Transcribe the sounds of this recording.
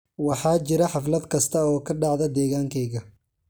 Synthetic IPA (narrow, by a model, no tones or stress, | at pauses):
wɑħɑːt͡ʃɪɾɐħɑflɐd̪kʰɐst̪ʰɐɔːkʰɐɖɑʕðɐd̪ɛːɣaːŋkʰɛjɣɐ